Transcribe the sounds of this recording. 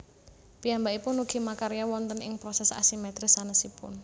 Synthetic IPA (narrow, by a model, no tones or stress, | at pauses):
pijambaipʊnuɡ̥i̤makaɾijawɔnt̪ənɪ̰ŋpɾɔsɛsa̰simɛt̪ɾɪsanəsipʊ̰n